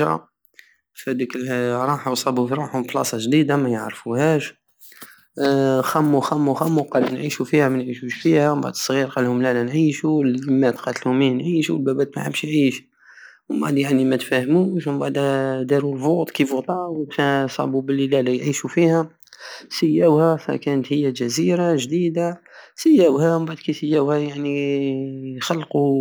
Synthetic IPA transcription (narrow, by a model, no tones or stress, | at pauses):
ɾɑ̰ | fæd̪ikɾˤɑħasˤɑbufɾˤɑħhʊmflɑ̰sˤɑʒd̪id̪amæjəʕɾfuhæʃ | xæmːuxæmːuxæmːuqɑlunʕiʃufihæmænʕiʃuʃfihæwmba̰ʕd̪ə̥sˤːɣiɾqɑlhʊmlælænʕiʃuləmːæt̪qɑt̪əlhʊminʕiʃuwəlbæbæt̪mæʕəbʃjʕiːʃ | mbaʕd̪jaʕnimæt̪fæhmuːʃmbaʕd̪d̪ɑɾulfot̪ˤkifut̪ˤɑfæsˤɑ̰bubəlːilælæjʕiʃufihæ | səjːæwhæfæ̰kænət̪həjːæʒæziɾaʒd̪id̪asəjːæwhæmbaʕd̪kisəjːæwhæjaʕni | xɑlːqu